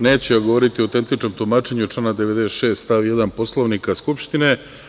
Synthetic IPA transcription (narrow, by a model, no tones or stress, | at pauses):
ne̞ːt͡ɕejaɡoʋo̞ɾit̪iowt̪e̞nt̪it͡ʃno̞mt̪umaːt͡ʃe̞ɲut͡ʃlaːnad̪eʋed̪esʃe̞ːst̪aʋjed̪anpo̞slˠoʋnikaskupʃt̪ine